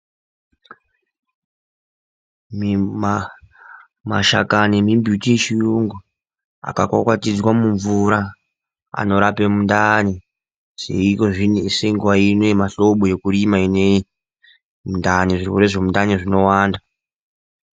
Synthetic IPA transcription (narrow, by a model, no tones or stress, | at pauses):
m | maʃa̰kanemimbʱjutiʃijuŋɡu | a̰kakwakwatid͡zwamuɱvuɾa | a̰no̞ɾapemundani | ʐ̥ḛiko̞ʐineiseŋɡwainemaɬo̞ɓoje̞kuɾimainei | mundaniʐikuɾeʐemundaniʐino̞waːnda